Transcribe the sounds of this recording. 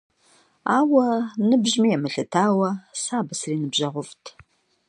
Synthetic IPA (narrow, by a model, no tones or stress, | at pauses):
a̰ːwɐnɨbʑmijɛmɨɬɨtʰaːwɐsaːbɐsriːnɨbʑɐʁʷʊftʰ